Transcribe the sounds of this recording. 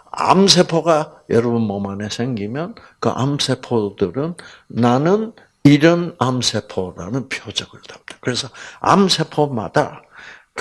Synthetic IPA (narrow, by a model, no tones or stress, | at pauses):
a̰msʰe̞pʰoɡajʌɾʌbunmʌmane̞sʰe̞ŋɡimjʌn | kɯ̰ʔa̰msʰe̞pʰodɯɾɯnːanɯn | iɾɯnamsʰe̞pʰoɾa̰nɯnpʰijod͡ʑʌɡɯɭtamd̥ḁkɯɾe̞sʰʌa̰msʰe̞pʰoma̰d̥a̰k